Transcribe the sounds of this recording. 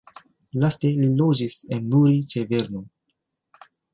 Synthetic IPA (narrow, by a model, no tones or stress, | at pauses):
laste̞lilod͡ʒisenːuɾit͡ʃeve̞ɾno